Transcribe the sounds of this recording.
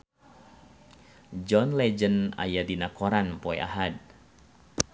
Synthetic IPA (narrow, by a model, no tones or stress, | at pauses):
d͡ʒɔnlɛd͡ʒəna̰jadinakɔɾanpɔɛʔa̰ɦad̚